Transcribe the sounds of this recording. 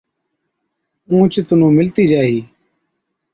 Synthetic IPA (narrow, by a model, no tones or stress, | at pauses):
ũːt͡ʃt̪ʊnũːmɪlt̪iːd͡ʒaːɦiː